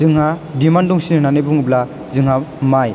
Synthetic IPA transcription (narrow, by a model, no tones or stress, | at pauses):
ɯŋɦadimandɔŋsinɯnanejbuŋubla | zɯŋɦamaj